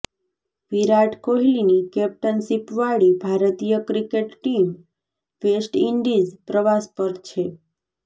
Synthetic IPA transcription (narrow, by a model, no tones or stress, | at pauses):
ʋiɾaʈkoɦilinikɛp̚ʈənsipʋaɭibʱaɾt̪ijəkɾikeʈʈim | ʋesʈiɳɖizpɾəʋaspəɾt͡ʃʰe